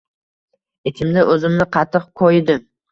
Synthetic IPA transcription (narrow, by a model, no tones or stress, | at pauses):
et̪ʰɪmd̪aʔɵzɪmnɪqʰɑt̪ʰːɨq̚qʰojd̪ɪm